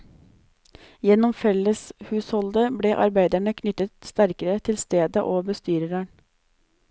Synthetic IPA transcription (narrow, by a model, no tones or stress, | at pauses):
jɛnɔmfɛləshʉːshɔld̪əbɽeːʔɑ̰ɾbæɪd̪æɳəkʰnʏt̪ət̪st̪æɾkəɾət̪ʰɪlst̪eːd̪əʔoːbəst̪yːɾəɾæɳ